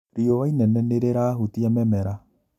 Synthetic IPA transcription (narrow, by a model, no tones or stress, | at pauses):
ɾiɔwainɛnɛneɾeɾaɦutiamɛmɛɾa